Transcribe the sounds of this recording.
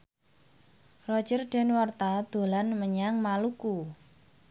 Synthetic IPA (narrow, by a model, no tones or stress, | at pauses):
rɔd̥ʒ̥ərɖ̥ɛ̤nwart̪ad̪̥o̤lanməɲaŋmaluku